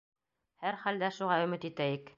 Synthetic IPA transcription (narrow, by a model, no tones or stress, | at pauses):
hæɾχæld̪æʃuʁɑɵ̆mɘt̪it̪æjɘk